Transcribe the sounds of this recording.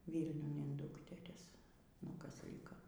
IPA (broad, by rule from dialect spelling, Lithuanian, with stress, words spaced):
ˈʋʲiːlʲnʲʊn ɪn ˈdʊktʲɛrʲɪs nʊ ˈkɐs ˈlʲɪkɐ